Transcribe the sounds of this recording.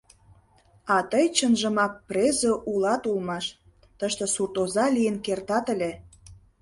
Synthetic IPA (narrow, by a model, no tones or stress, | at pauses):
ɑt̪əjt͡ɕənʒə̆mɑk̚prʲezoʔulɑt̪ulmɑʃ | t̪əʃt̪ə̆surt̪ozɑlʲijənkert̪ɑt̪əlʲe